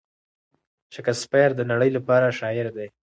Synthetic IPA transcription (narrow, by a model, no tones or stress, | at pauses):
ʃakaspajɾd̪ənaɽəjlapɑɾaʃɑɪɾd̪e